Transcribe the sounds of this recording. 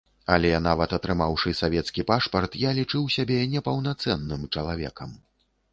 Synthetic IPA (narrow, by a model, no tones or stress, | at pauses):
ɐlʲɛnavɐt̪ɐt̪ɾɨmawʂɨsavʲɛt̪skʲipaʂpɐrt̪jalʲit͡ʂɨwsʲabʲɛnʲɛpɐwnat̪sɛnːɨmt͡ʂɐlˠavʲɛ̰kɐm